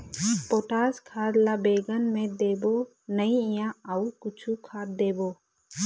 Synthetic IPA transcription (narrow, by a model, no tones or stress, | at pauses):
poːʈaːskʰaːd̪laːbeːɡənmẽd̪eːboː | nəĩɪjãːəukʊt͡ʃʰukʰaːd̪̚d̪eːboː